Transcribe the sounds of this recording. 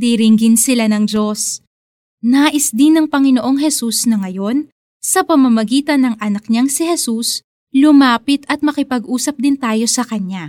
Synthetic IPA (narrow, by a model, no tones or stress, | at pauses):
d̪iɾɪŋɡɪnsɪlanɐŋd͡ʒo̞s | naːʔɪsd̪ɪnɐŋpɐŋɪno̞ʔo̞ŋɦɛsusnɐŋɐjo̞n | sɐpɐmɐmɐɡiːt̪ɐnɐŋʔɐnɐk̚ɲaŋsɪhɛsus | lʊmaːpɪt̪ɐt̪̚mɐkɪpɐɡʔuːsɐp̚d̪ɪnt̪aːjo̞sɐkɐɲa